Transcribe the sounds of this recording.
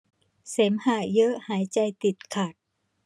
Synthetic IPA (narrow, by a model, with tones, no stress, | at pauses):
se˩˦mhaː˧˩jɤ˦˥ʔhaː˩˦jt͡ɕa˧jt̪i˨˩t̪̚kʰa˨˩t̪̚